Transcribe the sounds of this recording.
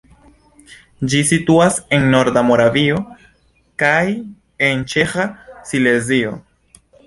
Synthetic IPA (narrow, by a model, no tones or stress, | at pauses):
d͡ʒisituase̞nːo̞ɾdamo̞ɾavio̞ | kaj | e̞nt͡ʃe̞xasile̞zio̞